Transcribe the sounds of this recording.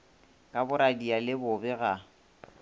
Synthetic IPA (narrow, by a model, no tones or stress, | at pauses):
kʼabʊɾadialɪbʊbɛɣa